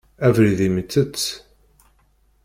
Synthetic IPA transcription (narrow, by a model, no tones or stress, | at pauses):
ævɾiðimt͡sːət͡sː